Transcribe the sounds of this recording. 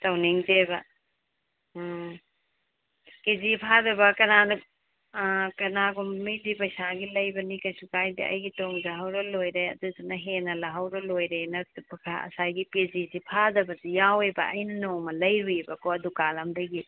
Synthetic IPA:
tɐwniŋzebɐ | kezipʰadɐbɐkɐnanɐ | kɐnaɡummidipɐjsaɡilɐjbɐnikɐjsukajdḭʔɐ̰jɡitoŋzaɦɐwɾɐlojɾejɐ̰dudunɐɦenɐlɐɦɐwɾɐlojɾejnɐtpkʰaɐ̰sajɡipizisipʰadɐbɐdijawebɐ̰ɐjnɐnɔŋmɐlɐjɾuebɐkoɐdukalamdɐɡi

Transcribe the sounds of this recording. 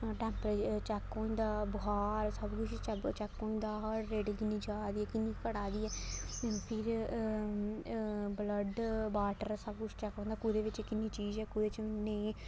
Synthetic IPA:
ʈɛ̃ːmpɾət͡ʃɛkːõːĩːd̪aːbʊɦaːɾsəbkʊt͡ʃʰt͡ʃət͡ʃɛkːõːĩːd̪aːɦəɾːeːɖkɪnːĩːd͡ʒaːd̪iːɛːkɪnːĩːkəɽaːd̪iːɛːpʰɪɾ | bləɖbaːʈəɾsəb̚kʊt͡ʃʰt͡ʃɛkːõːnd̪aːkʊd̪eːʋɪt͡ʃkɪnːĩːt͡ʃiːzɛːkʊdeːt͡ʃnei

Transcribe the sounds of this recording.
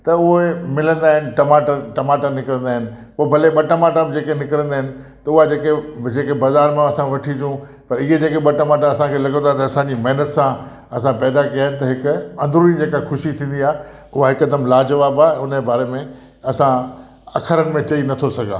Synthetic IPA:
t̪ɐʊɦemɪlə̃nd̪aːɦɪnɪ̆ʈɐmaːʈaʈɐmaːʈanɪkəɾə̃nd̪aːɦɪnɪ̆poːbʱɐleɓɐʈɐmaːʈabɪd͡ʑeːkenɪkəɾə̃nd̪aːɦɪnɪ̆t̪ɐʊɦad͡ʑeːked͡ʑeːkebɐzaːɾmẽɐsãʋɐʈʰid͡ʑũ | pɐɾiɦed͡ʑeːkeɓɐʈɐmaːʈaɐsãkʰelɐɡə̃nt̪ʰaet̪ɐɐsãɲd͡ʑimɐɦɪnət̪sã | ɐsãpɛːd̪akiaːɦɪnɪt̪ɐɦɪkʊɐ̃nd̪ʱɾuːnid͡ʑeːkaxʰʊʃit̪ʰĩːnd̪iaːɦe | ʊɦaɦɪkːɐd̪əmlaːd͡ʑɐʋaːbãːʊnəbaːɾemẽ | ɐsã | ɐkʰəɾənɪ̆mẽt͡ɕɐinɐt̪ʰosɐɡʱa̰ː

